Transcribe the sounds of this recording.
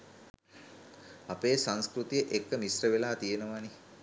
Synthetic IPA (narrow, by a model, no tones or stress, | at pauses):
apeːsaŋskrut̪ijəʔekːəmisrəʋelaːt̪ijenəʋani